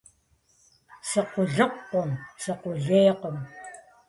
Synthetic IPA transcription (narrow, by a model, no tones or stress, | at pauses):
se̞qoɮoqːomseqoɮiːqom